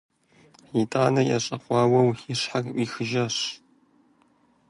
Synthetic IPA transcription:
itʼaːnɐjɐ̰ɕʼɐqʷɑːwɐwiɕħakwʷiːxɨʒɐɕ

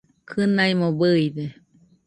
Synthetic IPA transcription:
kʰɨnaimobɯid̪e

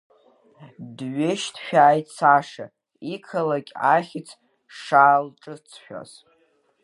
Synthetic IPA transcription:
dɥeʃtʰʃᶣaːjtʼt͡saʂa̰ | ikʰalakʲʼa̰χʲɪt͡sʰ | ʂaːlʈ͡ʂʼɨt͡sʰʃᶣa̰z̥

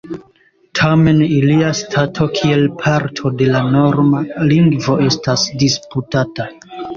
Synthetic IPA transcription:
tʰame̞niliastʰatʰo̞kʰie̞lpʰaɾtʰo̞de̞lano̞ɾmaliŋɡvo̞e̞stasdisputata

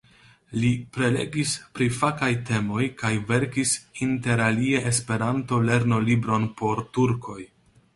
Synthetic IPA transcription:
lipɾe̞le̞̰ɡispɾifakajte̞mo̞jkajve̞ɾkisinte̞ɾalieʔespe̞ɾanto̞le̞ɾno̞libɾo̞npo̞ɾtuɾkʰo̞j

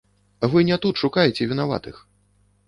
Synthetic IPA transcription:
vɨnʲɛt̪ut̪ʂukajɛt͡sʲɛvʲinava̰t̪ɨx

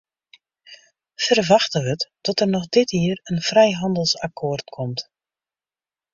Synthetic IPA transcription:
fərʋaxtəʋətːɔtərnɔxdɪtiərənfrɛjɦɑndəlˠsakʰoːrtkʰɔmt

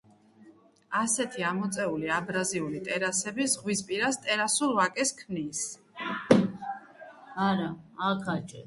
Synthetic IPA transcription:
asɛt̪ʰiamɔt̪sʼɛuliabɾaziulit̪ʼɛɾasɛbisʁwispʼiɾast̪ʼɛɾasuɾvakʼɛskʰmnis | aɾaakʰat͡ʃʼɛ

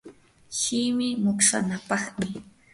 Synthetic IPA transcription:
ʃɪmɪmʊkʂa̰napɑχmɪ

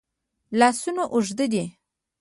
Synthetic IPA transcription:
lɑsunoʔʊʒd̪əd̪i

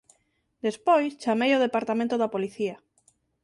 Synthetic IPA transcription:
d̪espojst͡ʃamejoðepaɾt̪amẽnt̪ʊðapoliθia

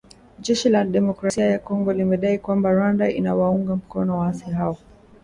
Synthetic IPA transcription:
ʄɛʃilaɗɛmɔkɾasiajakɔŋɡɔlimɛɗaikwambaɾwandaḭnawauŋɡam̩kɔnɔwaasiɦaɔ

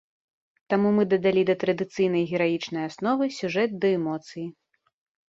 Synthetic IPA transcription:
t̪amumɨd̪ɐd̪alʲid̪ɐt̪ɾɐd̪ɨt̪sɨjn̪ɐjɣʲɛɾajit͡ʂnɐjasnɔvɨsʲuʐɛt̪̚d̪ɐɛmɔt̪sɨji

